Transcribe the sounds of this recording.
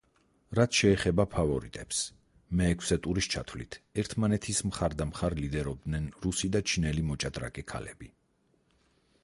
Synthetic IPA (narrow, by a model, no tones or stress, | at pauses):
ɾat̪sʃɛːχɛbapʰavɔɾit̪ʼɛps | mɛːkʰsɛt̪ʼuɾist͡ʃʰa̰t̪ʰwlit̪ʰɛɾt̪ʰmanɛt̪ʰismχaɾd̪amχaɾlid̪ɛɾɔb̚d̪nɛnɾusid̪at͡ʃʰinɛlimɔt͡ʃʼad̪ɾa̰kʼɛkʰa̰lɛbi